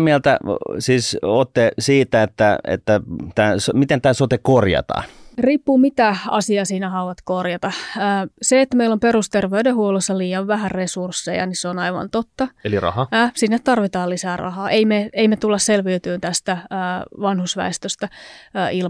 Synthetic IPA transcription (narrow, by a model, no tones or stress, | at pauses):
miælt̪æ̰siːsot̪ːesiːt̪æet̪ːæḛt̪ːæt̪æːsomit̪ent̪æːsot̪ekorjɑ̰t̪ɑ̰ːnriːpːuːmit̪æɑ̰siɑːsiːnæhɑuʋɑt̪korjɑt̪ɑː | seet̪ːæmeilomperust̪erʋeydehuolesːɑliːjɑʋʋæhærresursːejɑ̰niseonɑiʋɑ̰nt̪ot̪ːɑelirɑ̰hɑsinːet̪t̪ɑrʋit̪ɑːlisæːrɑ̰hɑːʔeimeeimet̪ulːɑsselʋiyt̪yːnt̪æst̪æːʋɑnhusʋæ̰est̪øst̪æːil